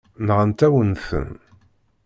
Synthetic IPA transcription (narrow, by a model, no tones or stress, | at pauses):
nʁənt̪æwənθə̰n